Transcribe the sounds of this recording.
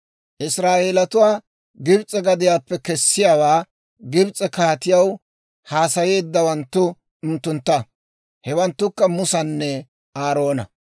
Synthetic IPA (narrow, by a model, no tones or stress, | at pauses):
ʔɪsɾaːʔe̞ːlɐt̪ʊwaː | ɡɪbt͡sʼɛɡɐd̪ɪjaːpːɛkɛsːɪjaːwaː | ɡɪbt͡sʼɛkaːt̪ɪjɐw | haːsɐje̞ːd̪ːɐwɐnt̪ːʊ | ʊnt̪ːʊnt̪ːɐ | hɛwɐnt̪ːʊkːɐmʊsɐnːɛ | aːɾo̞ːnɐ̰